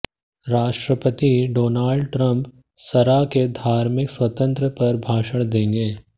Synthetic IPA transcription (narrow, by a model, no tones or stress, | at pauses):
ɾaːʃʈɾəpət̪iɖoːnaːlɖʈɾɐ̃mp | sɐɾaked̪ʱaːɾmɪkswɐt̪ə̃nt̪ɾəpɐɾbʱaːʃəɽ̃d̪ẽːŋɡeː